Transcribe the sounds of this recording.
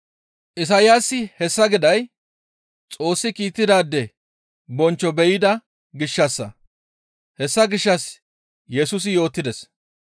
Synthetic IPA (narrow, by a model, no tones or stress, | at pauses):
ʔɪs̬ajasːɪhɛsːɐɡɪd̪ɐj | t͡sʼo̞ːsːɪkiːt̪ːɪd̪aːd̪ːɛ | bɔnt͡ʃːɔbɛjɪd̪ɐ | ɡɪʃːɐsːɐ̰ | hɛsːɐɡɪʃːɐs | jɛsʊs̬ɪjo̞ːt̪ːɪd̪ɛs